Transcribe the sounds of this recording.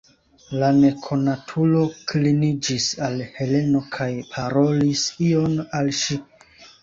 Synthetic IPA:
lane̞kʰo̞natʰulo̞klinid͡ʒisalhe̞le̞no̞kʰajpʰaɾo̞lisio̞nalʃi

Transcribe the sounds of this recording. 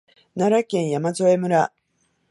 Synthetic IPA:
naɾakẽ̞ɰ̃jamazoe̞mɯ̟ɾa

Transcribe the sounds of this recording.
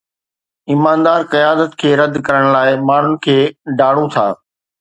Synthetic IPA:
imaːnd̪aːɾqijaːd̪ət̪kʰeːɾɐd̪kɐɾəɽ̃laːɪmaːɳ̤ʊnɪ̆kʰeːɖaːɽ̤ũt̪ʰa̰ː

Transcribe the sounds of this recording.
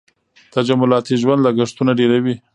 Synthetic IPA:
t̪ad͡ʒamʊlɑt̪iʒwand̪laɡaʂt̪unaɖeɾawi

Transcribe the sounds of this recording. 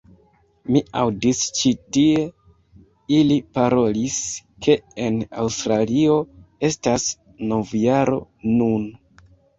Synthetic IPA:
miawdist͡ʃitie̞ | ilipaɾo̞liske̞ena̰wstɾalio̞e̞stas | no̞vjaɾo̞̰nun

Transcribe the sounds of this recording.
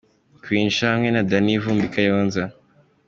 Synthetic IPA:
kwiːnʃahamŋenadanivuːmbikajonza

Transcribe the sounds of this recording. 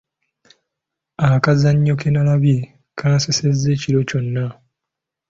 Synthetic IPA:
akazaɲːo̞kenalaβje | kʰaːsesezːe̞ːciɾo̞co̞nːa

